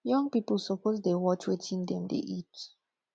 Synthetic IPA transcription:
jɔ̃ŋpipl̩sopozdewɔt͡ʃwetʰĩndɛ̃mdḛʔit

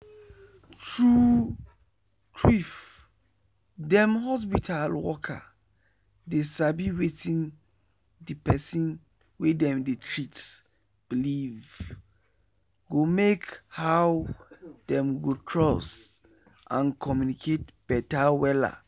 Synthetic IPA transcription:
tʰɹu | tʰɹif | dɛ̃mhɔs̬pitʰalwɔkʰa̰ | desabiwetʰĩn | dipʰɛsĩn | wedɛ̃mditʰɹits | b̥iliv | ɡomekhawd̥ɛ̃mɡotʰɹɔs | ʔãnkʰɔmjunikʰet̚b̥ɛtawɛla̰

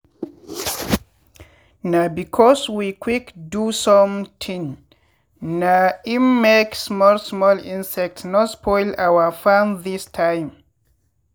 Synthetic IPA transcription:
nabikʰɔswikʰwikdusɔ̃mtʰĩŋ | naimːeksmɔlsmɔlĩnsɛk̚tsnɔspʰɔjlawəfãnðistʰãjm

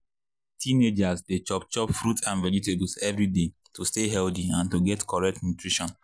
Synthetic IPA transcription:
tʰined͡ʒasdet͡ʃɔp̚t͡ʃɔpfɹutãnvɛd͡ʒiteblsɛvɹide | tusteɦɛldiãntuɡɛtkʰɔɹɛk̚tnutɹiʃɔ̃n

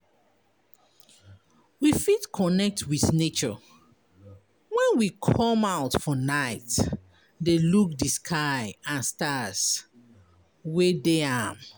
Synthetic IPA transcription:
wifitkʰɔnɛk̚tʰwiθnet͡ʃɔ̰ | wɛ̃nwikʰɔmaʊtfɔnaɪt | deluk̚diskʰaɪãnstas | wɛdeam

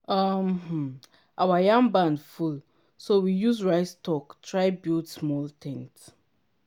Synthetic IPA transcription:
ʌmh̩ | ʔawajãŋbãndful | sowijuzɹaɪstʰɔktʰɹaɪbutsmɔltʰɛ̃nt

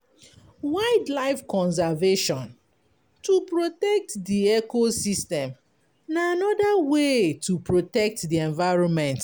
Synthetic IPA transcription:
waɪdlaɪfkɔ̃ns̬ɛveʃɔ̃n | tupɹotɛk̚tdiɛkosistɛ̃m | naːnɔdawetupɹotɛk̚tdiɛ̃ɱvaɪɹɔ̃nmɛ̃nt

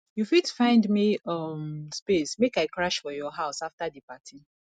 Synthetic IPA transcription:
jufidfãɪ̃ndmiʌmspesmekaɪkɹaʃfɔjɔɦaʊsaftadipatʰĩ

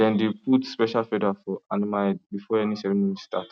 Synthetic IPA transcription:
ɛ̃ndep̚utspɛʃalfɛdafɔãnimabifɔɛnisɛɾĩmɔ̃nista̰t

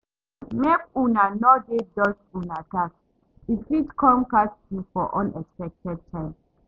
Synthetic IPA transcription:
mɛkunanɔdedɔd͡ʒunakak | itwidkʰɔ̃mkastifɔʔɔ̃nɛkspɛdk̚tɛd̚tʰãɪ̃m

